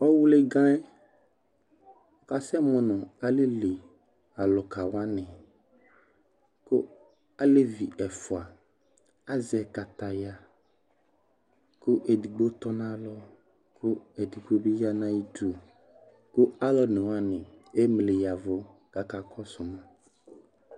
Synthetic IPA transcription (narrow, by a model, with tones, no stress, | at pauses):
ɔ˦wʊ˦le˦ɡã˦ɛ˦ | ɔ˨ka˨sɛ˦mɔ̃˨nɔ̃˨a˦le˦le˨ | a˨lʊ˨ka˨wa˦nɪ˨ | kʊ̰˦ | a˦le˦vi˨ʔɛ˨fʊ˨a˨ | a˦zɛ˨ka˨t̪a˨ja˨ | kʊ˦ʔe˨di˨ɡ͡bo˦t̪ɔ˦nã˦lɔ˦ | kʰʊ˦e˨di˨ɡ͡bo˦bi˦ja˦nã˦i˦tu˨ | kʊ˦a˦lɔ˦nɪ̃˨wa˦nɪ̃˨e˦m˨lɪ˨ja˨vʊ˨ka˨ka˨kʰɔ˦sʊ˨mʊ̃˦